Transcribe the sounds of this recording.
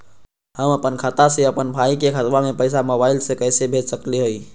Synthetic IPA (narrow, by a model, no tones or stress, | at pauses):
həməpənkʰat̪aseəpənbʱaikekʰət̪bamepəjsamobailsekəjsebʱet͡ʃsəkliɦəj